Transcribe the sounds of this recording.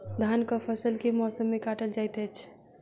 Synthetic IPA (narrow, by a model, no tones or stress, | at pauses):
d̪ʱankəpʰəsəlkemɔsəmːekaʈəld͡ʒajt̪ɛt͡ʃʰ